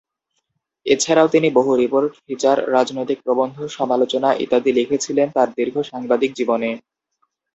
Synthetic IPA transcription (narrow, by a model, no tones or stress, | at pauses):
et͡ɕʰaɾaot̪iniboɦuɾipoɾʈfit͡ɕaɾːad͡ʑnojt̪ik̚pɾobond̪ʱoʃɔmalot͡ɕonaʔḭt̪ad̪ilikʰet͡ɕʰilent̪aɾd̪iɾɡʱoʃaŋbad̪ik̚d͡ʑibone